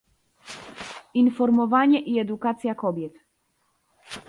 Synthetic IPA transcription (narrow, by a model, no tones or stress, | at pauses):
infɔɾmɔvaɲɛʔiɛd̪ukat̪sʲjakɔbʲjɛt̪